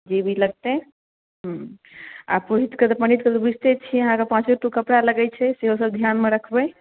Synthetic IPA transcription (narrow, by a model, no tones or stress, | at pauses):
d͡ʒebʱiləɡ̚t̪e | ɦə̃ | a̰puɦit̪kət̪ɔpəñit̪kət̪obud͡ʒʱt̪et͡ʃʰiəɦãkepãt͡ʃiʈukəpɽaləɡɛt͡ʃʰɛseɦosəbd̪ʱjanmeɾəkʰbəj